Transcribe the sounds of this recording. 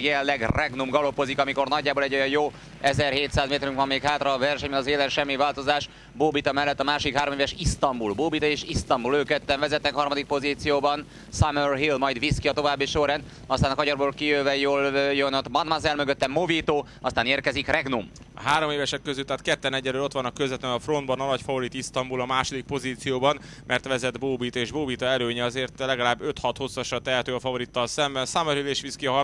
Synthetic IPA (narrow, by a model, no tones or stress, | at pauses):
jellɛɡrɛɡnumɡɒlo̞pozikɒmiko̞rnɒɟːaːboːlɛɟːo̞jɒjjoː | ɛzɛrheːt̪saːzmeːt̪ɛɾyŋkʋɒmːeːkhaːt̪rɒːvɛrʃɛɲbɛnɒzeːlɛnʃɛmːivaːlt̪o̞zaːʃ | boːbit̪ɒmɛlːɛt̪ːɒmaːʃod̪ikɦaːɾo̞meːvɛʃist̪ɒmbulboːbit̪ɒeːʃist̪ɒmbuløːkɛt̪ːɛɱvɛzɛt̪ːɛkɦɒrmɒd̪ik̚po̞ziːt̪sijoːbɒn | samørɦilmɒjd̪ʋiskiɒt̪o̞vaːbːiʃoɾɛn | ɒst̪aːnɒkɒɟɒrboːlkijøːvɛjoːljønɒt̪mɒnmazɛlmøɡøt̪ːɛmːoviːt̪oː | ɒst̪aːneːrkɛzikrɛɡnum | ɒ̰ɦaːɾo̞meːvɛʃɛkːøzylt̪aːt̪kɛt̪ːɛnɛɟːɛløːlo̞t̪ʋɒnɒkøzɛt̪ɛnɒfro̞nd̪bɒnɒlɒcfɒvoɾit̪ist̪ɒmbulɒmaːʃo̞d̪ik̚po̞ziːt̪sijoːbɒn | mʔɛrt̪ʋɛzɛd̪boːbiːt̪eːʒboːbit̪ɒɛløːɲɛɒzeːrt̪lɛɡɒlaːbːøt̪hɒt̪ho̞sːɒʃɒt̪ɛɦɛt̪øːfɒvo̞ɾit̪ːɒlsɛmbɛnsɒmørhileːʃʋiskiɒɦ